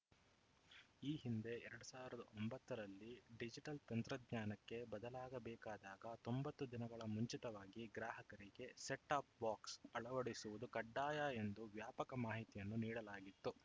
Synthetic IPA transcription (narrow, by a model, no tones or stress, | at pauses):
iːɦind̪e̞ɛɾɐɽusaːʋiɾɐd̪ɐ̰ombɐt̪ːɐɾɐlːiɖid͡ʒiʈɐlt̪ɐnt̪ɾɐd̪ɲaːnɐkːe̞bɐd̪ɐlaːɡɐbɛːkaːd̪aːɡɐt̪o̞mbɐt̪ːud̪inɐɡɐɭɐmuɲt͡ʃit̪ɐʋaːɡiɡɾaːɦɐkɐɾiɡe̞seʈːaːp̚baːksɐɭɐʋɐɽisuʋud̪ukɐɖːaːjaːe̞nd̪uʋjaːpɐkɐmaːɦit̪ijɐnːuniːɽɐlaːɡit̪ːu